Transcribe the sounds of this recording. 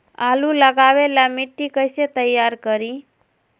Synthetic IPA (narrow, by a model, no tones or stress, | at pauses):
alũləɡaʋelamɪʈːikəjset̪əjːaɾkəɾi